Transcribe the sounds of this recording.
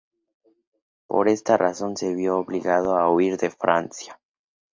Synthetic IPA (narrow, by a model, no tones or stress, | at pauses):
po̰ɾest̪arʔaso̞nseβjoːβliɣaðoauiɾðefɾa̰nsja